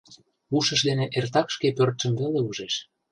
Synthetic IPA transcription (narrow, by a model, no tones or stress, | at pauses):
uʃə̆ʃd̪eneʔert̪ɑkʃkepørt̪ʃə̆mveleuʒeʃ